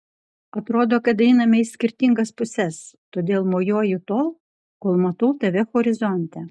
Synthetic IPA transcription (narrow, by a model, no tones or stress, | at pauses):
ɐt̪ɾoːd̪oːkɐt̪ɛɪnɐmʲɛɪsʲkʲɪɾʲt̪ʲɪŋɡɐspʊsʲɛst̪oːd̪ʲeːlˠmoːjoːjʊt̪oːlˠ | koːlˠmɐt̪ɐʊt̪ɐʋʲɛxɔɾʲɪzɔnʲt̪ʲɛ